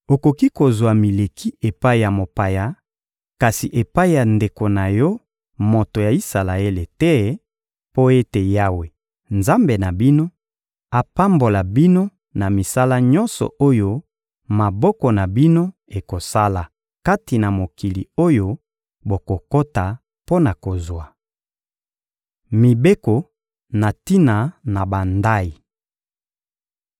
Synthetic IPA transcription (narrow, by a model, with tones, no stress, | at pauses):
o˨ko˨ki˦ko˨zwa˨mi˨le˨kʰi˦e˨pa˦i˨ja˨mo˨pa˨ja˨ | ka˨si˨ʔe˨pa˦i˦˨ja˨nde˨ko˨na˨jɔ˦ | mo˨to˨ja˨i˦sa˨la˨e˦le˨tɛ˦ | po˦e˦te˨ja˦we˨ | nza˦mbe˨na˨bi˦no˦ | a˨pa˦mbo˨la˨bi˦no˦ | na˨mi˨sa˦la˦ɲɔ˦nsɔ̰˨o˦jo˦ | ma˨bɔ˦kɔ˨na˨bi˦no˦ | e˨ko˨sa˦la˨ | ka˦ti˨na˨mo˨ki˨lḭ˨o˦jo˦ | bo˨ko˨ko˦ta˨ | po˦na˨ko˨zwa˨ | mi˨be˦ko˨ | na˨ti˦na˨na˨ba˨nda˦i˨